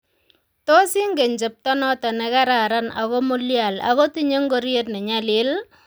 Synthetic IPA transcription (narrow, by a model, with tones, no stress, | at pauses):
tɔ˦sɪ˦ŋɡe˨ɲd͡ʒe˨p̚tɔ˦nɔ˦tɔ˨nɛ˨ka˦ɾa˨ɾa˦nakɔ˦mu˦lja˨la̰kɔ˦ti˦ɲe˦ŋɡo˦ɾje˦t̚nɛ˨ɲalɪ˦l